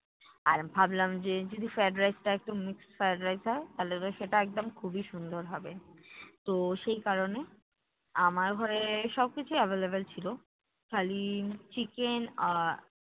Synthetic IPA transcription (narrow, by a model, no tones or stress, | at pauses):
aɾbʱablamd͡ʑed͡ʑod̪ifaɖɾajsʈaɛk̚ʈomiksfaɖɾajzɦɔet̪alet̪oʃeʈaɛk̚d̪omkʰubiʃund̪oɾɦɔbet̪oʃejkaɾone | amaɾɡʱɔɾeʃɔb̚kit͡ɕʰuavelebelt͡ɕʰilo | kʰalit͡ɕikena